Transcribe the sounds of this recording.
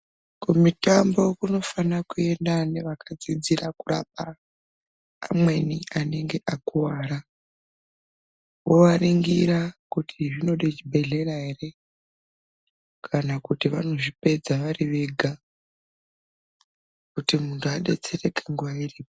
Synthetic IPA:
kumitambo̞kuno̞fanakue̞ndane̞ʋakʰad͡zid͡zirakura̰p̚a | mwe̞niane̞ŋɡe̞ʔakuwaːɾa | woʋaɾiŋɡiɾakutʰiʐino̞ɗet͡ʃibʱe̞ɮe̞ɾaɦe̞re̞ | kʰanakutiʋano̞ʐipe̞d͡zaʋaɾiʋe̞ɡʱa | kutimuntʰuaɗe̞̰t͡se̞re̞keŋɡuʋairiːpo

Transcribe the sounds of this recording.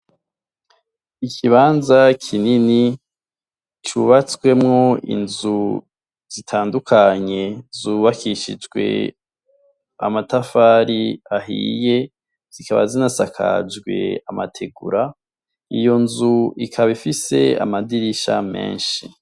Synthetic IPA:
ikʰiβaːnzakʰinini | t͡ʃuβat͡swe̞mŋoḭnzu | z̥itʰaːndukʰaɲe̞zuβakʰiʃḭd͡ʒɡwe̞̰ | a̰matafaːɾiaɦḭːje̞ | z̥ikaβa̰zinasakʰa̰d͡ʒɡwe̞̰amatʰe̞ɡuɾa | ijo̞nzuikʰaβifise̞̰a̰madiɾiʃa̰me̞̰ːnʃi

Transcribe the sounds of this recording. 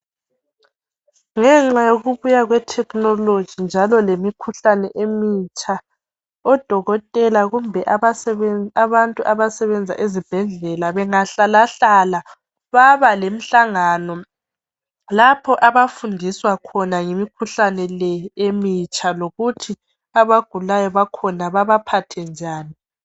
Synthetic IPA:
ŋɛŋ͡ǁajoɣuβujaɣwɛtʰɛknɔlo̥d͡ʒ̥ʱind͡ʒʱalɔlemikʰuɬanɛʔemit͡ʃʰʼa | ɔd̥ʱɔɣɔtʼɛlaɣumbʱɛʔaaaβantʼuʔaβasɛβɛnd͡zʱa̰ʔezib̥ʱɛɮɛlaβɛŋaɬalaɬala | βaβalem̩ɬaŋanɔ | lapʰɔʔaβafundʱiswakʰɔnaŋemikʰuɬanɛlɛemit͡ʃʰʼaloɣutʰi | aβaɡ̥ʱulajɔβakʰɔnaβaβapʰatʰɛnd͡ʒʱaːni

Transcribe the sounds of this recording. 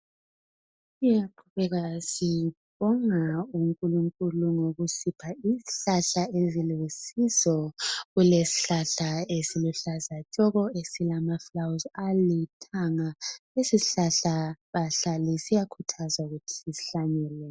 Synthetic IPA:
ijaǃʰuβɛɣasiβɔŋauŋkʼuluŋkʼuluŋoɣusipʰaiziɬaɬaezilesizɔɣulesi̥ɬaɬaesiluɬazat͡ʃʼɔɣɔesilamaflawzalitʰaŋaesiɬaɬaβaɬalisijakʰutʰazwauɣutʰi̥sisi̥ɬaɲɛlɛ

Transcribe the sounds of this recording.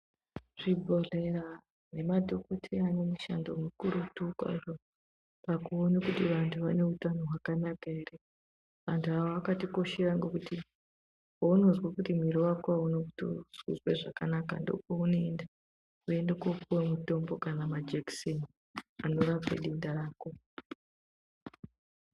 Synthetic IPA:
ʐ̥ibʱo̞re̞ɾa | ne̞madʱo̞ko̞tʰiane̞muʃa̰ndo̞̰mukuɾutukwa̰ʐo | pakuonakutiʋantʰuʋane̞utano̞ɦwakanakaere̞ | ʋantʰuawoʋakatiko̞ʃeraŋɡokuti | ouno̞zwakutim̤iɾowakoaunokuto̰z̥wḭzweʐakanaka̰ndo̞̰pounoenda | ue̞ndekokuwemuto̞mbo̞kanamad͡ʒekson | ano̞ɾabḛɗindaɾaːko̞

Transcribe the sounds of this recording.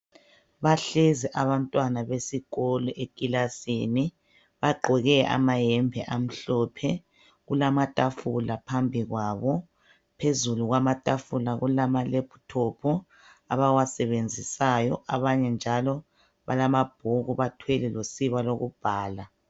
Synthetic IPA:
βaɬeziʔaβantʼwanaβesiɣolɔʔekʼilasiːni | βaɡ͡ǃʱɛɣɛa̰majɛmbʱɛʔam̩ɬɔpʰɛ | ɣulamatʼafulapʰambʱiɣwaːβɔ | pʰezuluɣwamatʼafulaɣulamalepʰu̥tʰopʰu | aβawasɛβend͡zʱisajɔ̰aβaɲɛnd͡ʒʱalɔ | βa̰lamab̥̚ʱoɣuβatʰwɛlɛlosiβaloɣṵb̥ʱaːla

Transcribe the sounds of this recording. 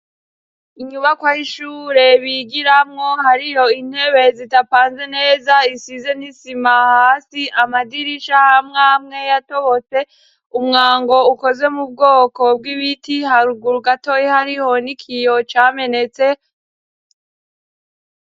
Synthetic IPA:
iɲuβakwahiʃuːɾe̞βiɡiɾamŋo̞haɾijo̞in̥he̞βe̞zitapaːnze̞ne̞ːzaisize̞nisimahaːsiʔamadiɾiʃahamŋaːmŋe̞jato̞βo̞t͡se̞ | umŋaːŋɡo̞uko̞ze̞mub̚ɡo̞ːko̞b̚ɡiβitihaɾuɡuɾuɡato̞jihaɾiho̞nikʰijo̞t͡ʃaːme̞ne̞t͡se̞

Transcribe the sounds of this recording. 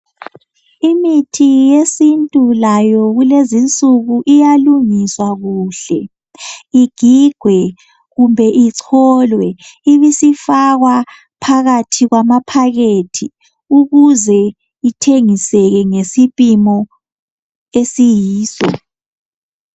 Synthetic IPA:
imitʰijesintʼulajɔɣulezint͡sʼuɣuʔijaluŋiswaɣuːɬɛ | iɡ̥ʱiɡ̥ʱwɛ | ɣumbʱɛʔiǀʰɔlwɛiβisifaɣwa | pʰaɣatʰiɣwamapʰaɣetʰi | uɣuzɛ | itʰeŋisɛɣɛŋesipʼimɔ | esijiːsɔ̰

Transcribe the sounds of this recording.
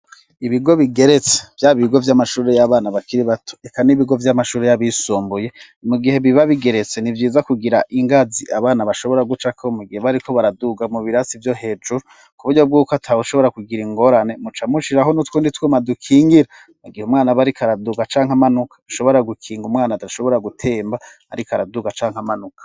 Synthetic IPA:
iβiɡo̞βiɡe̞ɾe̞t͡se̥v̥jaːβiɡo̞vjamaʃuːɾe̞jaβaːnaβakiɾiβatʰo̥ekaniβiɡo̞vjamaʃuːɾe̞jaβisuːmbuje̞ | muɡihe̞βiβaβiɡe̞ɾe̞t͡se̞nivjiːzakuɡiɾaʔiŋɡaziʔaβaːnaβaʃo̞βo̞ɾaɡut͡ʃakʰomuɡiheβaɾikʰo̞βaɾaduɡamuβiɾasivjo̞ɦe̞ːd͡ʒuɾu | kuβuɾɟo̞b̚ɡuːkoatʰaβuʃoβo̞ɾakuɡiɾiŋɡo̞ɾane̞mut͡ʃamuʃiɾaɦo̞nutwuːnditwemadukʰiːŋɡiɾa | muɡihumŋaːnaβaɾikʰaɾaduɡat͡ʃaːŋ̥amanukʰḁu̥ʃo̞βo̞ɾaɡukʰiːŋɡumŋaːnataʃo̞βo̞ɾaɡutʰe̞ːmba | a̰ɾikaɾaduɡat͡ʃaːŋhamanukʰḁ

